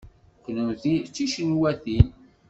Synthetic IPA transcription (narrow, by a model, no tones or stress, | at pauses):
knunθit͡sːiʃənwæθin